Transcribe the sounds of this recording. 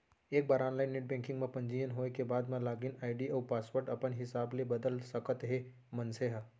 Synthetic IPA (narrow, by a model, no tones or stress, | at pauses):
eːk̚baːɾaːnlaːɪnːeʈ̚bɛ̃ːŋkɪ̃ŋɡmẽpɐ̃ɲd͡ʒijənɦoːnekebaːd̪mãlaːɡinaːɪɖiɔːpaːswoːɾʈɐpənɦɪsaːblebɐd̪əlsɐkət̪ɦe | mɐ̃nseɦa